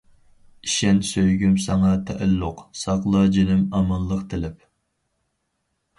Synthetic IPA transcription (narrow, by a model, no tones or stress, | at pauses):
iʃɛnsøjɡʲymsɛŋɑt̪ʰɛʔɛlːʊqsɑqlˠɑd͡ʒinɪmɑmɑllˠːəqt̪ʰɪlɪp̚